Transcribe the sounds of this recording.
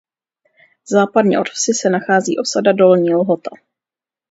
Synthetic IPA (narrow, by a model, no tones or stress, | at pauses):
zaːpadɲɛ̰ʔotfsɪsɛnaxaːzḭːʔo̞sadado̞lɲiːlɦo̞t̪a